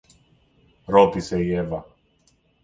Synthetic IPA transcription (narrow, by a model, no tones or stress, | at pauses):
ɾot̪iseievɐ